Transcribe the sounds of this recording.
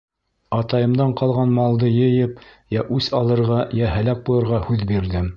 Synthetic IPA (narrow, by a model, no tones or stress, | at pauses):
ɑt̪ɑjɤ̆md̪ɑɴqɑlˠʁɑnmɑlˠd̪ɤjɤ̆jɤpjæʔʉsɑlˠɤ̆ɾʁɑjæɦælæk̚bujɤ̆ɾʁɑhʉðbiɾðɘm